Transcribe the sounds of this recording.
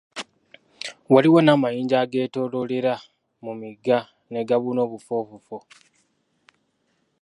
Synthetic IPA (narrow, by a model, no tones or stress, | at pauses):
waliwonaːmajiːɲɟaɡe̞ːto̞lole̞ɾa | mumiɡa | ne̞ɡaβuno̞ːβufo̞ːβufo